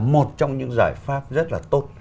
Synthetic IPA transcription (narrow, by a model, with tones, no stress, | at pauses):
mo˨˩t̚t͡ɕɔ˧wŋ͡mɲɨ̰˧˥ŋzaː˧˩jfaː˦˥p̚zə˦˥t̚laː˨˩t̪o˦˥t̚